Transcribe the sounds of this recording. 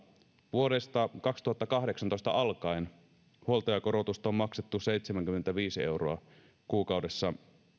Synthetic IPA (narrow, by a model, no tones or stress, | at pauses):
ʋuo̞ɾest̪ɑkɑkst̪uhɑt̪ːɑkɑhdeksɑnt̪ost̪ɑ̰ʔɑlkɑin | huo̞lt̪ojɑkoɾot̪ust̪ɑommɑkset̪ːuse̞jt̪semæŋkymːent̪æʋiːsie̞̰uroɑ | kuːkɑude̞sːɑ